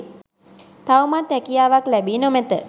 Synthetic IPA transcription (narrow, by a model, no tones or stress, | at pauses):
t̪awmat̪ɛkijaːʋaklɛbiːnomɛt̪ə